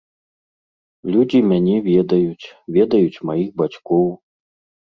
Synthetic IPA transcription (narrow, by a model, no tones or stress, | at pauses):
lʲud͡zʲimʲanʲɛvʲɛd̪ɐjut͡sʲvʲɛd̪ɐjut͡sʲmajixbat͡ɕkɔw